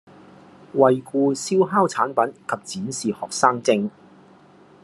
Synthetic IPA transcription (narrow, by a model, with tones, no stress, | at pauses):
wɐ˨jkuː˧si˥wɦaː˥wt͡sʰaː˨˥npɐ˨˥nkʰɐ˨p̚t͡siː˨˥nsiː˨hɔː˨k̚saː˥ŋt͡sɪ˥ŋ